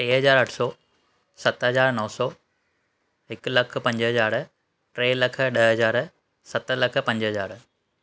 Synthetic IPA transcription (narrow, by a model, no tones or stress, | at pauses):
ʈeːɦɐzaːɾɐʈʰsɔː | sɐt̪ɦɐzaːɾnɐʋsɔː | ɦɪklɐk̆ʰpɐ̃ɲd͡ʑɦɐzaːɾ | ʈɾeːlɐk̆ʰɗɐɦɦɐzaːɾ | sɐt̪lɐk̆ʰpɐ̃ɲd͡ʑɦɐzaːɾ